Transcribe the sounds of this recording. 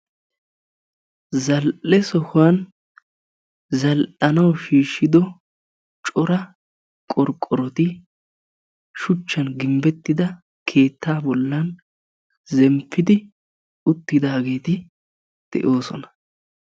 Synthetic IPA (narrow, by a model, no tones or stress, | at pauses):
zɐlʔɛsɔhʊwɐn | zɐlʔɐnɐwʃiːʃːɪd̪ɔ | t͡ʃʼɔɾɐ | kʼɔɾkʼːɔɾɔt̪ɪ | ʃʊt͡ʃːɐnɡɪmbɛt̪ːɪd̪ɐ | kʰe̞ːt̪ːaːbɔlːɐn | zɛmpːɪd̪ɪ | ʊt̪ːɪd̪aːɡe̞ːt̪ɪ | d̪̥ɛ̰ʔo̞ːsɔ̰nɐ̥